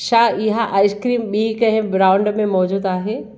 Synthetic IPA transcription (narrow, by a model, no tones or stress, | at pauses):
ʃaɪɦaʔaːɪskɾiːmɓiːkɐ̃ɦɪ̃bɾãːʊ̃ɳɖmẽmɔːd͡ʑuːd̪aːɦeː